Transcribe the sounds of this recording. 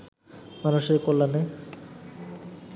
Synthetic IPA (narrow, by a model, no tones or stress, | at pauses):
manuʃeɾkolːane